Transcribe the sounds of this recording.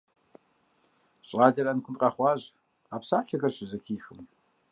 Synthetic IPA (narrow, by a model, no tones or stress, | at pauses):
ɕʼɑːdɐɾɐnkʷʰʊnqɐχʷɑːʑ | aːpsaːɬɐɣɐrɕɪzɐxʰiːxɨm